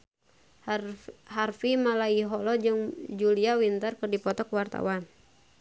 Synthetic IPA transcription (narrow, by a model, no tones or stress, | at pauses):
harfimalaiɦɔlɔd͡ʒɨŋd͡ʒuliawint̪ərkɨrdipɔt̪ɔkwart̪a̰wan